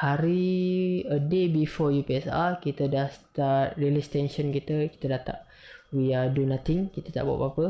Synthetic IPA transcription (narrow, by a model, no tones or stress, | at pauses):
haɾi | ədebifɔjupiɛsa̰kit̪ədahst̪at̚ɾilist̪ɛnʃənkit̪əki̥t̪ədat̪a̰ʔ̚ | wiadunãt̪ɪŋkit̪ət̪a̰ʔbua̰ʔbapə